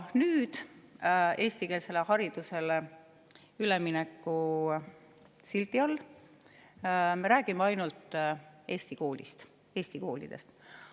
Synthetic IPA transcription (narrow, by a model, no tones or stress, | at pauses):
nyːd̪̥ | e̞ːst̪ike̞ːlse̞lehɑɾid̪̥use̞le | yleminɛkːu | silt̪ːˑiɑlː | me̞ɾæːɡ̥imeɑjnult̪e̞ːst̪iko̞ːlḭst̪ | e̞ːst̪iko̞ːlḭd̪̥e̞̰st̪